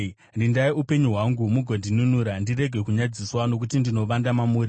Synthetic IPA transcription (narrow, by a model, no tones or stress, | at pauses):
ndindaiupe̞ɲuɦwaŋɡumuɡʱondʱinunuːɾandire̞ɡʱe̞kuɲad͡ziswano̞k̬utindino̞ʋandamamuːɾi